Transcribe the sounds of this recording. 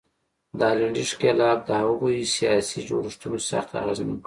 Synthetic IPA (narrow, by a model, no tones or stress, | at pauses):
d̪əɑlaɳɖiʂkelɑb̚d̪əhaɣujsijɑsid͡ʒo̰ɾiʂt̪unosa̰xt̪a̰ɣezmk